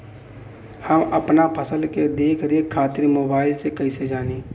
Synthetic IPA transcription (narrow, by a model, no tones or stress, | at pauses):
həməpnapʰəsəlked̪eːkʰɾeːkʰːaːt̪ɪɾmoːbaːɪlsekɐised͡ʒaːniː